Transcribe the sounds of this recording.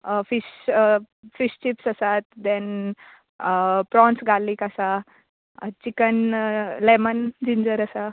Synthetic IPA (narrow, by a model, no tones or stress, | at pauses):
fiɕ | fiɕt͡ɕipsəsat̪̚d̪ɛ̃n | pɾɔ̃nsɡalikasa | t͡ɕikənlɛmənd͡ʑiɲd͡zəɾəsa